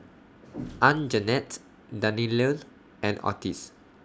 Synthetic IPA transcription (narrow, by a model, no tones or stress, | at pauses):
ʔãnd͡ʒənɛt | danilən | ʔɛ̃nɔ̰tis